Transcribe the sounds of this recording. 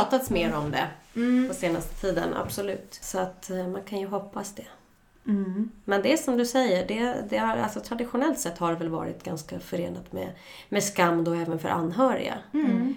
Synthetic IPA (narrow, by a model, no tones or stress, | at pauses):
ɑːt̪at̪smeːɾɔmd̪ɛ̰pʰɔseːnast̪ə̥t̪ʰiːd̪ə̰na̰b̥sɔlʉ̟̰ːt̪sɔat̪mankʰanjɵɦɔpːasd̪ɛ | mɛnd̪ɛsɔmd̪ɵsɛjːəɖɛd̪ɛhaa̰lsɔt̪ʰɾad̪ɪɧʊnɛlt̪sɛt̪ːhaɖvɛlvɑ̰ːɾɪt̪ɡanskafœɾeːnat̪mɛ̰ | mɛskamːd̪ɔɛːvənfœ̰ɾʔa̰nːɦœːɾɪ̰ɡa̰